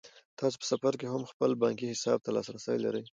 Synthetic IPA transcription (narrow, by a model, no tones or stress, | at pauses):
t̪ɑs̬o̥pə̥safaɾk̬eɦamxpəlbɑŋkihɪsɑb̚t̪alɑsɾasə̰jla̰ɾəj